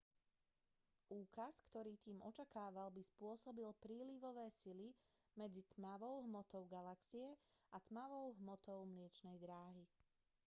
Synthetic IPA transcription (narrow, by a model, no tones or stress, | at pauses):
ʔuːkaskt̪ɔɾiːt̪iːmʔɔt͡ʃakaːʋalbispʊɔsɔbilpɾiːliʋɔʋɛːsili | mɛd͡zit̪maʋɔʊɦmɔt̪ɔʊɡalaksiɛʔat̪maʋɔʊɦmɔt̪ɔʊmlɪɛt͡ʃnɛjd̪ɾaːɦi